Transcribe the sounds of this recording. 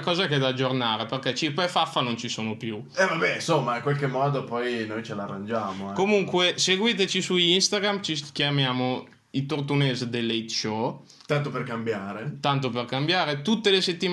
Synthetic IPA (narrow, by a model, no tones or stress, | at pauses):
kɔːzaɛked̪aːd͡ʒːornaːɾeperket͡ʃipefafːanont͡ʃisoːnopju | ɛvabɛnsomːaiŋkwalkemːɔːd̪opɔjnojt͡ʃelarːand͡ʒaːmokomuŋkweseɡwiːt̪et͡ʃisuinst̪aɡɾamt͡ʃik̟jamjaːmo | it̪ort̪unezd̪elːet̪t͡ʃɔ | t̪ant̪operkambjaːɾet̪ant̪operkambjaːɾet̪ut̪ːeleset̪ːim